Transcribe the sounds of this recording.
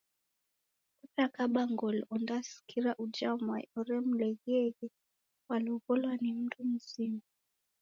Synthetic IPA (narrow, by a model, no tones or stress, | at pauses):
kutakaɓaŋɡɔlɔndasi̥kʰiɾaʔud͡ʒaɔmwaḭɔɾɛm̩lɛɣiɛɣɛ | waliɔkɔlwanim̩tʰum̩zima